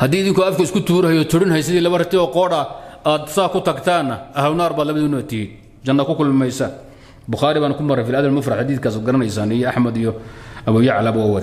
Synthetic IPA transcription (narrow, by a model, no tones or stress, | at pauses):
hɐd̪iːɪðɪŋkʊɐfkʰɐɪskʰʊt̪ʰuːɾɐhjɔt̪ʰʊɽɪnhɛjs̬ɪðiːlɐβɐrɪt̪ʰɪɔːqɔːɽɐaːd̪saːkʰʊt̪ʰɐɡt̪ʰaːnːɐʔɐhwnaːrbaːd̪lɐβɐðʊnat̪ʰɪhɪ | t͡ʃɐnːɐkʰʊkʰʊlmɪmɛjsɐ | bʊxaːɾɪβaːnʊkʰʊmɐɾɐjfɪlɐðɐlmɐfɾaħad̪iːθkaːsɔːd̪ɡɐɾɐnɐjsaːnɪjɑħmɐd̪ijɔɐβɔwjɐʕɑlɐbwaːwɐðɛ